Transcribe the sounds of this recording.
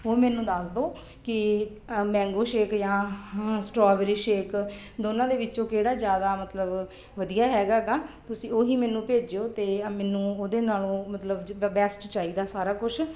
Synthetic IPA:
oːmɛ̃ːnũːd̪əsd̪oː | kɪ | mɛ̃ːŋɡoːʃeːkjãːsʈɾɔːbɾiːʃeːk | d̪oːnãːd̪eːʋɪt͡ʃõːkeːɽaːzjaːd̪aːmət̪ləb | ʋəd̪ijaːɦɛːɡaːɡaːt̪ʊsĩːoːɦiːmɛːnũːpeːd͡ʒeoːt̪eːmɛːnũːoːd̪eːnaːlõːmət̪ləbbɛːsʈt͡ʃaːiːd̪aːsaːɾaːkʊt͡ʃʰ

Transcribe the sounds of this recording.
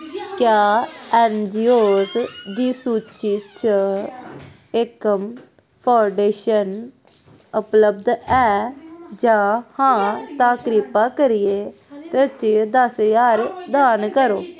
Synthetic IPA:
kjaːɛːnd͡ʒiːoːzd̪iːsuːt͡ʃit͡ʃ | ɪkəm | pʰaːɖeːʃən | ʊpləb̚d̪ɛːd͡ʒaːhãːt̪aːkɾiːpaːkəɾɪeː | t̪et͡ʃiːd̪əsjaːɾd̪aːnkəɾoː

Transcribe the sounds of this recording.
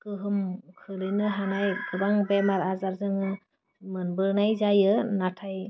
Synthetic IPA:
kɯɦɯmkʰɯlɯnɯɦanajɡɯbaŋbɛmaɾazaɾzɯŋɯ | mɯnbɯɾnajzajɯnatʰaj

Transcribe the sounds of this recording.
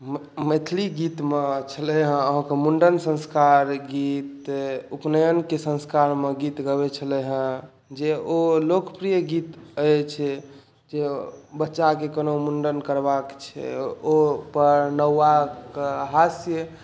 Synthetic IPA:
mmet̪ʰliɡit̪met͡ʃʰələɦə̃əɦãkemuɳɖənsə̃nskaɾɡit̪upnəjənkesə̃nskaɾmeɡit̪ɡəβet͡ʃʰələɦə̃ | d͡ʒeolokpɾijəɡit̪əjt͡ʃʰɛ | d͡ʒebətːʃakekənomuɳɖənkəɾbakt͡ʃʰɛ̰opəɾnəwakeɦasjə

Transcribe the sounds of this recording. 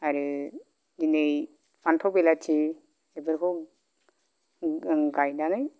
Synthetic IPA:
aɾɯ | d͡ʒinɯj | pʰantʰɔbelat͡ʃʰi | ebɯɾkʰɔ | ɡajnanɯj

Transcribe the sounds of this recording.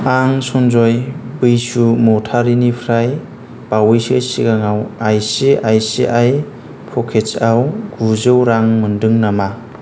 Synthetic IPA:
aŋsɔnzɔjbɯjsumɔtʰaɾinipʰɾaj | b̥awɯjsɯsiɡaŋawajsiʔajsḭʔaj | pʰɔkʰet͡ʃawɡuzɯwɾaŋmɯndɯŋnama

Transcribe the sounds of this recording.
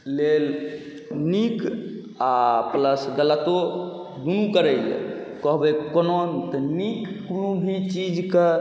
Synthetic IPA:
lel | nik | apləsɡələt̪o | d̪unukəɾəjl̰kɔɦbekɔnont̪ɔnikːulũbʱit͡ʃid͡ʒke

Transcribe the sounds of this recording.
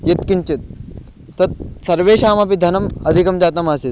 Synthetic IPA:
jet̪kiɲt͡ʃet̪̚ː | ɐt̪̚sɐɾʋeːʃaːmɐpid̪ʱɐnɐmɐd̪ʱikɐmd͡ʒaːt̪ɐmaːsit̪

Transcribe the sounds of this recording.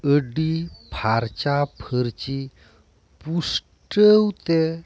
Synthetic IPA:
əɖipʰaɾt͡ɕapʰəɾt͡ɕi | pus | ʈəwt̪e

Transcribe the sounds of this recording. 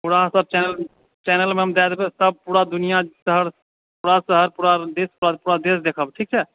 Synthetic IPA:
puɽasəb̚t͡ʃɛnəl | t͡ʃɛnəlmeəmd̪ɛd̪besəb̚puɽad̪unijasəɦəɾ | puɽasəɦəɾpuɽad̪espuɾapuɽad̪esd̪ekʰəbʈʰik̚t͡ʃʰɛ

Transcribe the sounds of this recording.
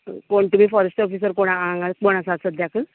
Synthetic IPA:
koɳʈubifɔɾesʈɔfisəɾkoɽ̃aaŋɡatboɽ̃asasəd̪jakə

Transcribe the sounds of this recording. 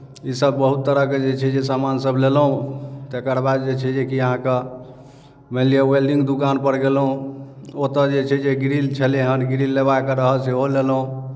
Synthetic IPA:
isəbːəɦut̪ːəɾəked͡ʒet͡ʃʰɛd͡ʒesamansəblelɦũt̪ekəɾbad̪d͡ʒet͡ʃʰɛd͡ʒekiəɦãke | melijəwelɖĩŋɡd̪ukanpəɾɡelɦũ | ot̪əd͡ʒet͡ʃʰɛd͡ʒeɡɾilt͡ʃʰɛleɦənɡɾilːeβaekəɾəɦəlseolelɦũ

